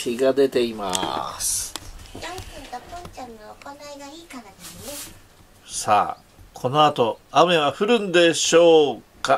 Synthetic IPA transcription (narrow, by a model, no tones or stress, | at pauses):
kiɡad̪e̞t̪e̞ima̰sɨ̥d̪asẽt̪apõnt͡ɕãnːoːkonaiɡaiːkanad̪esɨne | sa̰ː | kʰo̞no̞at̪o̞ame̞βaɸɯ̟ɾɯ̟̃nd̪e̞ɕo̞ːka